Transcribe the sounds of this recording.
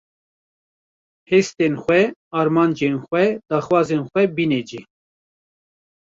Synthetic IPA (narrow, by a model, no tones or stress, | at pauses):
heːst̪enxʷɛɑːɾmɑːnd͡ʒenxʷɛd̪̥aːxwɑːzenxʷɛbined͡ʒi